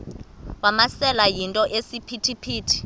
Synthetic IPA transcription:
wamasɛlajintʼɔʔesipʰitʰipʰiːtʰi̥

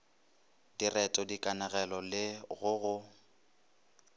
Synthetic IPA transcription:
dirɛtʼɔdikʼanaɣɛlɔlɪɣʊɣʊ

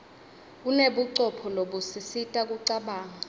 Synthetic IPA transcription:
uneɓuǀɔpʰɔloɓusisitʼak̬ʼuǀaɓaːŋa

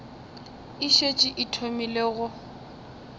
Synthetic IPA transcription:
iʃet͡ʃʼiʔɪtʰomileɣʊ

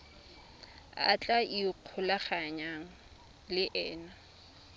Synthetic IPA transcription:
a̰t͡ɬʼaiq͡χʰʊlaχaɲaŋ̩ | lɪʔɛːna

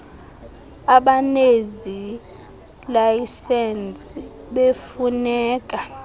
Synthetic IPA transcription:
aɓanezi | lajisɛnt͡sʼi | ɓefunɛːk̬ʼa

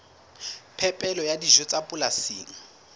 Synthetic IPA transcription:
pʰɛpʼɛlɔjadiʒɔt͡sʼapʼʊlasiːŋ̩

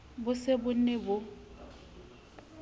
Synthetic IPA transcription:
bʊsebʊn̩nebʊ

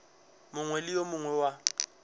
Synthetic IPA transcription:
mʊŋwɛlɪjomʊŋwɛwa

